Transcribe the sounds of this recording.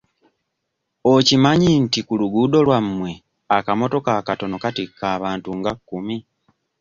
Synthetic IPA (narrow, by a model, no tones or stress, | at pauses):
ocimaɲintikuluɡudo̞lwamːwe̞ | akamo̞to̞kaːkato̞no̞katikʰːaːβaːntuŋɡakːumi